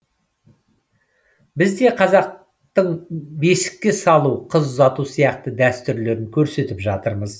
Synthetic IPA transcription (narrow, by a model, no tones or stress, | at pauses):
bɪzd̪e̞qʰɑzɑq̚ | t̪əɴbe̞sɪ̥kʲːe̞sɑlˠuqʰəzːɑt̪usijɑqt̪əd̪æst̪ʏɾle̞ɾɪŋkʲʰɵɾse̞t̪ɪpʒɑt̪əɾməz